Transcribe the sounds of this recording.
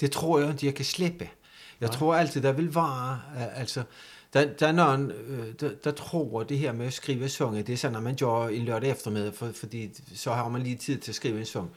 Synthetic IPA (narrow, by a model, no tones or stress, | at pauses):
d̥e̝t͡sʰʁo̝ɐ̰jand̥ʰejɑɪkʰæsleb̥ə | jɑ̈ɪt͡sʰʁo̝ɐ̰ældt͡sʰiðˠd̥ɑæʋe̝lʋɑ̰̈ːæl̰sɒ | d̥æd̥æɐnɒːnd̥ad̥ɑt͡sʰʁo̝̰ːd̥e̝ɦɛɐ̰meæsɡ̥ʁiːʊəensɔ̽ŋəd̥e̝æɐsɒ̽nːɑmænɡ̥joɐe̝nløɐ̰ɾ̥efd̥ʁɐmeðˠfɒfɒ̽d̥ḭː | sɒ̽ɦɑ̈ːmænliːt͡sʰið̰ˠt͡sʰe̝ɐsɡ̥ʁiːʊəensɔ̽ŋ